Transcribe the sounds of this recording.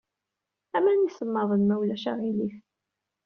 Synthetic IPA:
æmænisəmːɑðˤənmæwlæʃæʁilif

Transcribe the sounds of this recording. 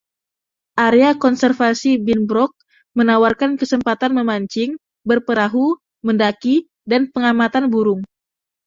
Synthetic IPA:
ʔaɾeakɔnsɛrfasibinbɾɔk̚ | mənawarkankəsəmpat̪anməmaɲt͡ʃɪŋ | bərpəɾaɦu | məndaki | danpəŋamat̪anbuɾʊŋ

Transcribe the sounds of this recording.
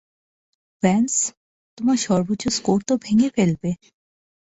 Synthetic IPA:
fɛns | t̪omaɾʃɔɾboʃʰoskoɾt̪obʱeŋefelbe

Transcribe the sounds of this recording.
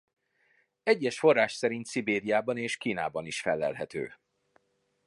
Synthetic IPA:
ɛɟːɛʃfo̞rːaːʃsɛɾint̪sibeːɾijaːbɒneːʃkiːna̰ːbɒniʃfɛlːɛ̰lɦɛt̪ø̰ː

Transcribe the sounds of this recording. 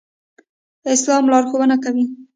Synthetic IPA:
ɪslɑmlɑɾxowənakawi

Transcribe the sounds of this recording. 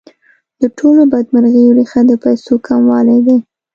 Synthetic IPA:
d̪̥əʈʰolobad̪maɾɣəjoɾixad̪əpajsokʰamwɑlajd̪e

